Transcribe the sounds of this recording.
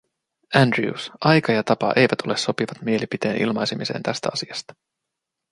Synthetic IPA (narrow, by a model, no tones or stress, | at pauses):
ændɹiṵsʔɑjkɑjɑt̪ɑpɑ̰ʔe̞jʋæt̪ʰo̞le̞so̞piʋɑt̪mie̞lipit̪e̞ːnʔḭlmɑjsemise̞̰ːnt̪æst̪æɑsiɑst̪ɑ̥